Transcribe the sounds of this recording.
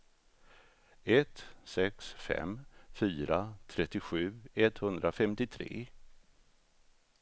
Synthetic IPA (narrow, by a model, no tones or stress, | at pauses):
ɛt̪sɛksfɛ̰mfyːɾat̪ʰɾɛt̪ːɪɧʉ̟ːɛt̪hɵnd̪ɾafɛmt̪ɪt̪ʰɾḛː